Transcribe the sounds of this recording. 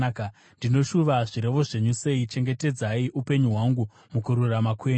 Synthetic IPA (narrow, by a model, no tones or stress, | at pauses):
k | ndino̞ʃuʋaʐiɾe̞ʋo̞ʐe̞ɲuse̞it͡ʃe̞ŋɡe̞te̞d͡zaiʔupe̞ɲuɦwaŋɡu | mukuɾuramakweː